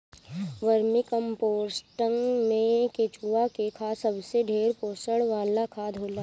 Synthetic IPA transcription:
ʋəɾmikə̃mpoːɾsʈə̃ŋɡmẽket͡ʃuakekʰaːsɐbseɖʱeːɾpoːsəɽʋãːlakʰaːd̪ʱɦoːlaː

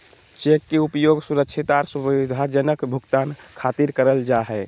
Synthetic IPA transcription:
t͡ʃekːeupjoɡsuɾəkt͡ʃʰit̪aɾsubid̪ʱad͡ʒənəkbʱukt̪ankʰat̪iɾkəɾəld͡ʒaɦɛ

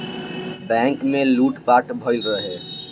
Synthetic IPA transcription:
bɛ̃ŋkmẽluːʈpaːʈbʱəɪlɾəɦe

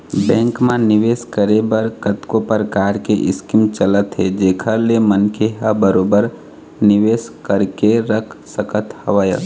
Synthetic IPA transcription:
bɛ̃ːŋkmãnɪʋeːskəɾebəɾkət̪kopəɾkaːɾkeʔɪ̰skimt͡ʃələt̪ɦed͡ʒeːkʰəɾlemənkeɦəbəɾoːbəɾ | nɪʋeːskəɾkeɾəkʰsəkət̪hɐʋaːjə̰

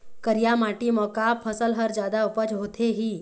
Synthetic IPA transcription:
kəɾijamaʈimɔːkapʰəsəlɦəɾd͡ʒjaːd̪aʊpət͡ʃɦoːt̪ʰeɦiː

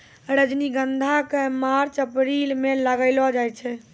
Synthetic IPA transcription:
ɾəd͡ʒniɡənd̪ʱakemaɾt͡ʃəpɾilmeləɡəɪlɔd͡ʒajt͡ʃʰɛ

